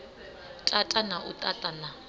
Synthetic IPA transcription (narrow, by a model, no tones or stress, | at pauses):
tʼatʼanaʔutʼatʼana